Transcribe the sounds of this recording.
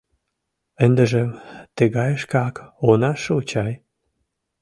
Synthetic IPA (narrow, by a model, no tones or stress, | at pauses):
ə̆nd̪ə̆ʒĕt̪ə̆ɣɑjəʃkɑkonɑʃəut͡ɕɑj